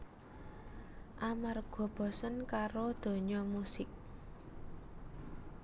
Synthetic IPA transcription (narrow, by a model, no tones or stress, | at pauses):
ʔamarɡ̥ɔ̤b̥ɔ̤sənkaɾod̪̥o̤ɲɔmusɪk̚